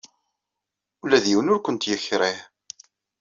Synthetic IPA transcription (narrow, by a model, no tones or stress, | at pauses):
ulæðjiwənʊɾkʷənt̪jəçɾˤiħ